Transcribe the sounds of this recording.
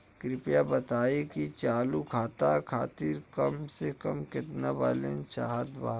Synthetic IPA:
kɾɪpjabɐt̪aːikit͡ʃaːlukʰaːt̪akʰa̰ːt̪iɾkɐmsekɐmkɪt̪naʋa̰ːlḛ̃nʃaːɦəd̪baː

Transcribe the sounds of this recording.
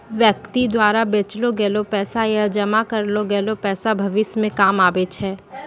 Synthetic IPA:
ʋjəkt̪id̪waːɾabeːt͡ʃloɡeːlopɛːsajad͡ʒɐmakɐɾloɡɛːlopɛːsabʱɐʋɪsmẽkaːmaːbet͡ʃʰɛː

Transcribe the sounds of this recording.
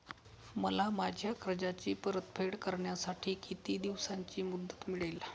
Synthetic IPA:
məlamad͡ʑʱjakɾəd͡ʑat͡ɕiːpəɾət̪pʰeɽkəɾɳjasaʈʰiːkit̪iːd̪iʋsaɲt͡ɕiːmud̪ʱːət̪miɭel

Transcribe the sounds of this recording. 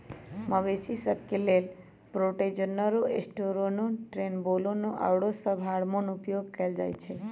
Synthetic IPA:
məʋesisəb̚kelel | pɾoʈed͡ʒənːəɾoesʈoɾonoʈɾenbolonoʔa̰wɽosəbʱaɽmonupjoɡkəld͡ʒa̰jt͡ʃʰe

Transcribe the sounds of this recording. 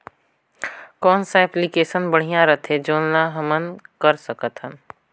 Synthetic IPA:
kɔːnsaɛplikeːsənbɐɽ̤ijãɾɐt̪ɦɛd͡ʒoːnlaɦɐmənkəɾsəkət̪ɦən

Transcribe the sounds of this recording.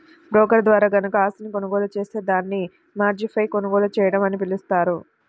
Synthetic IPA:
bɾɔːkɐɾd̪ʋaːɾaːɡɐnukɐaːsinikonɐɡɔːlut͡ʃe̞ːse̞ːd̪aːnːi | maːɾd͡ʒipʰɐjkonɐɡɔːlut͡ʃɛːjɐɽɐmɐnipilust̪aːɾu

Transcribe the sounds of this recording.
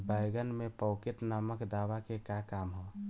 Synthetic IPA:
bəjɡənmepəkeʈnaməkd̪aʋakekakamɦo

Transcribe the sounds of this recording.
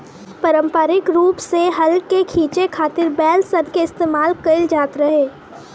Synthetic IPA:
pəɾə̃mpəɾɪkɾuːpseɦɐlkekʰiːt͡ʃekʰaːt̪ɪɾbɛːlsɐbkeɪst̪eːmaːlkəɪld͡ʒaːt̪ɾɐɦeː

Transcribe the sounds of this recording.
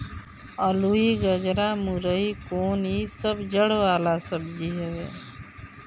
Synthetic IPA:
əluiɡəd͡ʒɾamuɾəikoːnisəbd͡ʒəɽʋaːlasəbd͡ʒiɦɛḛ

